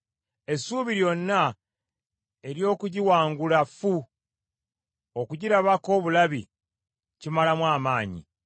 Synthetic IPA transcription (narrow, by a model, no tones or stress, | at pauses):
e̞suːβiɾjo̞nːa | e̞ɾjo̞ːkuɟiwaːŋɡulafu | okuɟiɾaβako̞ːβulaβḭ | cimalamwaːmaːɲḭ